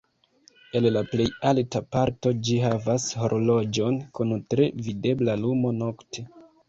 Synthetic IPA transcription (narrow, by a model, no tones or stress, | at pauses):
e̞llaple̞jaltapaɾto̞d͡ʒiɦavasho̞ɾʔolo̞d͡ʒo̞nkuntɾe̞vide̞blalumo̞no̞ktʰe̞